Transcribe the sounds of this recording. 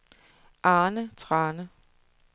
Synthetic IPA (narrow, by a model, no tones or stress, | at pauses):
ʔɑːnət͡sʰʁɑːnə